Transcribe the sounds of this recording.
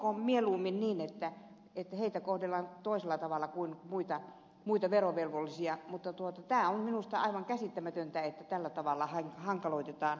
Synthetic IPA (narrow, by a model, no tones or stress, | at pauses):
kommieluːminniːnet̪ːæ | et̪ːheit̪ækohdelːɑnt̪oˑiselːˑɑt̪ɑʋɑlːˑɑkuinmuit̪ɑ | muit̪ɑʋeroʋelʋolːisiɑmut̪ːɑt̪uot̪ɑt̪æːomminust̪ɑɑ̰iʋɑŋkæsit̪ːæmæt̪ønt̪æet̪ːæt̪ælːæt̪ɑʋɑlːɑhɑŋhɑŋkɑloit̪et̪ɑːn